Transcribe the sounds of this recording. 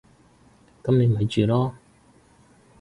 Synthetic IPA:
kɐ˥mne˨˧m˨ɦɐ˨˧jt͡ʃyː˨lɔː˥

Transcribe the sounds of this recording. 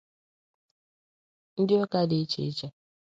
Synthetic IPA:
n̩˦di˦ɔ˦ka˦de˦t͡ʃḛ˨˦t͡ʃa˨

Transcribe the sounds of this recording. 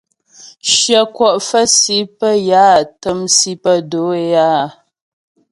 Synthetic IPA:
ʃjə˨kwɔ˨ʔfə˦si˨˦pə˦jaː˦˨tə˦msi˦pə˦do˨˦e˦jaː˦˨

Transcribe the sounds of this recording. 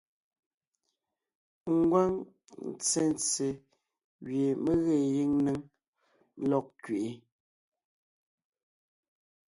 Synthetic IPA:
ŋ̩˦ɡwa˦ŋ | n̩˨t͡se˦n˨t͡se˨ | ɣje˨me˦ɣe˦˨ji˦ŋne˦ŋ˦ | lɔ˦k̚kɥe˨ʔe˨

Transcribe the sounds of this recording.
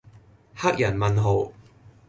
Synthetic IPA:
ha˥k̚jɐ˨˩nmɐ˨nɦo˨˩w

